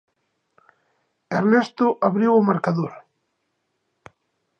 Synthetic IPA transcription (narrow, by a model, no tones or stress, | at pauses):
erɛst̪ʊʔaβɾiwʊmaɾkaðoɾ